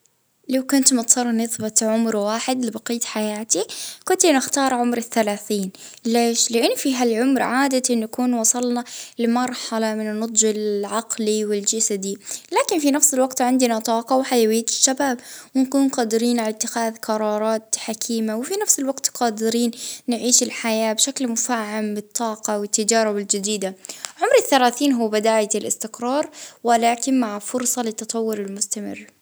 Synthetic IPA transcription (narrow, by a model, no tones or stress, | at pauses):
lawkʊnt̪mʊt̪ˤsɑrˤːnɪðbɪt̪ʕʊmɾwaːħɪd̪lɪbɑqiːt̪ħajaːt̪ikʊnt̪inɪxt̪ɑːɾˤʕʊmɾɪθːalaːθiːnleːʃlɪʔɪnːfiːɦalʕʊmɾʕaːd̪aʔɪnːakuːnwɑsˤɑlnalɪmɑɾˤħɑlɑmɪnɪnːʊt̪ˤʒɪlʕɑqliwɪld͡ʒasad̪ilaːkɪnfinafsɪlwaɡt̪ʕɪnd̪ɪnat̪ˤɑːqɑwɪħajawɪjːaɪ̥ʃːabaːbwɪnkuːnqɑːd̪ɪɾiːnʕalat̪ːɪxaːðqɑɾˤɑːɾˤɑːt̪ħakʰiːmawɪfinafsɪlwɑɡt̪qɑːd̪ɪɾiːnːɪʕiːʃɪlħajaːbʃaklmʊfaːʕambɨt̪ˤːɑːqɑwɪt̪ːɪd͡ʒɑːɾˤɪbɪld͡ʒɪd̪iːd̪aʕʊmɾɪθːalaːθiːnɦʊːbɪd̪aːjalʔɪ̰st̪ɪqɾˤɑːɾˤwalaːkɪnmaʕfʊɾsˤɑlɪt̪ːɑt̪ˤɑwːʊɾɪlmʊst̪amɪ̰rː